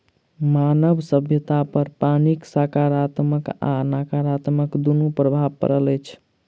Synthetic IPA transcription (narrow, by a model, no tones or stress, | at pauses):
manəbsəbʱjət̪apəɾpaniksakaɾat̪məka̰nakaɾat̪məkd̪unupɾəbʱabkə̰ɾələjt͡ʃʰ